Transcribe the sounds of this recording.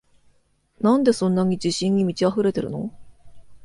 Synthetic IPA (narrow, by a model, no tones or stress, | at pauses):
nãnd̪e̞sõ̞nːaɲ̟id͡ʑiɕĩɲ̟ːimʲit͡ɕiaɸɯ̟ɾe̞t̪e̞ɾɯ̟no̞̰